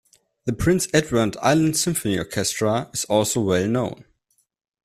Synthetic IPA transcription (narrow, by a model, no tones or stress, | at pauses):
ðəpʰɹ̥ɪ̃nsɛdwə˞da̰ɪlə̃ndsɪ̃ɱfɔniɔ̰ɹkʰɛstɹ̥əɪzɔlˠsoʊwɛlˠnõʊ̃n